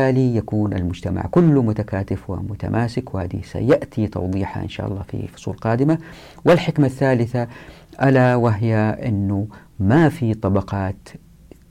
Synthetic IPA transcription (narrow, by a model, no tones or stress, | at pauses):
aːlijakuːnʔa̰lmʊd͡ʒt̪ama̰ʕkʊlːmʊt̪akaːt̪ɪfwɪ̰mʊt̪a̰mʔaːsɪkwɪhaːd̪ḭsa̰jaʔt̪ʰit̪ɑ̰wd̪ˤiːħa̰ʔɪ̰nʃa̰ːʔɑ̰lˤːɑ̰ːfḭfʊ̥sˤṵːlqɑːd̪ɪma | wɪlħɪkmaθːaːlɪθa | ʔalawaɦjaʔɪ̰nːu | mafit̪ˤɑbɑqɑːt̪